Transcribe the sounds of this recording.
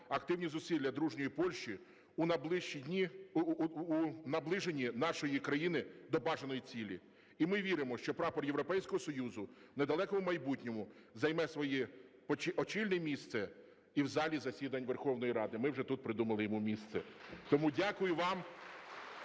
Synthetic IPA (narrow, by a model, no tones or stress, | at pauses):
ɐkt̪ɪwnʲizʊsʲid̪ʲlʲɐd̪ɾuʒnʲɔjipɔlʲʃt͡ʃi | unɐb̪ˠɪiiː | nɐblˠɪʒenʲinɑʃɔjikɾɐjinɪd̪ɔbɑʒenɔjit͡sʲilʲi | imɪʋʲiɾɪmɔʃt͡ʃɔpɾɑpɔrjeʋɾɔpɛjsʲkɔɦɔsɔjuzʊned̪ɐlˠɛkɔʊmɐjbutʲnʲɔmʊzɐjmɛsʋɔji | t͡ʃiɔt͡ʃilʲnɛmʲist̪sɛ | iwzɑlʲizɐsʲid̪ɐnʲʋerxɔwnɔjiɾɑd̪ɪmɪwʒɛt̪ut̪̚pɾɪd̪umɐlˠɪjɔmumʲist̪sɛt̪ɔmudʲɑkʊjʊʋɑm